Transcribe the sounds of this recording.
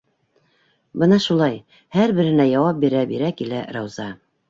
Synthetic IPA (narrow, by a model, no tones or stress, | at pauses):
bɤnɑʃulˠɑj | hæɾbɘ̆ɾɘ̆næjɑwɑp̚biɾæbiɾækilæ̰ɾɑwzɑ